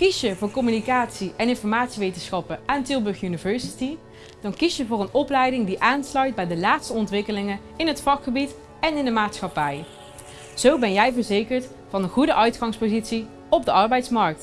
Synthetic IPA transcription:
kisjəvʊːɹkɔmynikaːtsiʔɛnɪnfɔɹmaːtsiʋejtənsxɑpəʔaːntɪlˠbɵɹχjynivɛɹsiti | d̥ɑnkisjəvʊːɹənɔplɛjdɪŋdiʔaːnslœɥt̚bɛjdəlaːtstəɔntʋɪkəlɪŋə | ɪnɦətfɑkχəbit | ɛnɪndəmaːtsxɑpɛj | z̥owbɛnjɛjvəɹzejkəɹt | fɑnəχudəʔœɥtχɑŋspozitsi | ɔb̚dəʔɑɹbɛjtsmɑɹk̚t

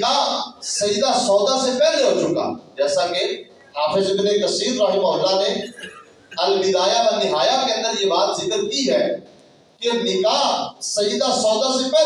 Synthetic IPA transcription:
kasəjid̪aːsɔːd̪asepɛːleɦoːt͡ʃʊkɡa̰ːd͡ʒɛːsaːke | haːfɪzbɪlekəsiːɾɾəɦɪmɦʊlːaːneː | əlbɪd̪aːjaːlənɪɦaːjakeə̃nd̪əɾjeːbaːt̪zɪkəɾkiɦɛː | keɐnikaːsəjid̪aːsɔːd̪aːsepɛː

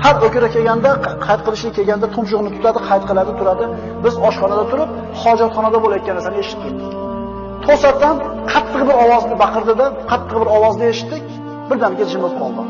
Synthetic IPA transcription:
haɾokʲɪɾakʲʰe̞ɡʲand̪aqʰɑjt̪̚qʰɨlˠɪʃnɪkʲʰeɡʲanɪd̪at̪ʰʊmʃ̬ʊʁnɪt̪ʰʊ̥t̪ʰad̪ɪqʰɑjt̪̚qʰɨlˠad̪ɪt̪ʰʊɾad̪ɪ | bɪzɒʃχɒnad̪at̪ʰʊɾɪp̚ | χɒd͡ʒat̪χɒnad̪abolajɒt̪̚kʲanːaɾsanɪeʃɪ̥t̪ːɪk̚ʲ | t̪ʰosat̪ːan | qʰɑt̪ʰːɨqbɪɾɒwɒznɪbɑqʰɨɾd̪ad̪aqʰɑt̪ʰːɨq̚bɪɾɒwɒznɪeʃɪ̥t̪ːɪkʲ | b̥ɪɾd̪amɡʲad͡ʒɪmɪlqʰɒlˠd̪ɪ

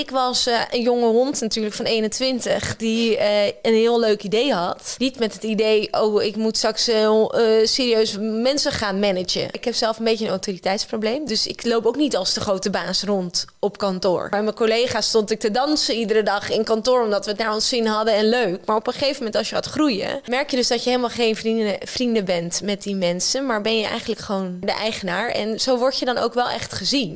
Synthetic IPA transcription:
ɪkʋɑsənjoŋəɦɔntnatyːɹləkfɑnejnəntʋɪntəχdiəənɦɪːlˠøɥkidejɦɑtnitmɛtɦətidejʔowɪkmutstɑkslˠseːɾiøɥsmɛnsəχaːnmɛnəd͡ʒə̰ɪkɦɛpsɛlˠfənbejənowtoritɛjtsprowblejmdøsɪ̰klowpowknitɑlˠsdəχrowtəbaːsrɔntɔpkɑntʊ̰ːɹmɛjməkolejχaːstɔntɪk̚tədɑnsəidəɾədɑχɪnkɑntʊːɹɔmdɑtʋətdaːɹɔnsɪnɦɑdəɛnløɥkmaːɹɔpəχejvəmɛntɑlˠsjəhaːtχrujə̰mɛɹkjədɵʏzdɑtjəɦejləmalˠχejnriəfrindəbɛntmɛt̚dimɛnsənmaːɹbɛnjəʔɛ̰jχənləkχəʋowndəʔɛjχənaːɹɛ̰nz̥owʋɔɹtjədɑno̰wkʋɛlˠʔɛ̰χtχəzin

